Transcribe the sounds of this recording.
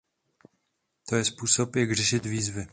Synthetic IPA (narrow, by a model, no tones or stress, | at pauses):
t̪ojɛspuːso̞pjaɡr̝ɛʃɪt̪viːzvɪ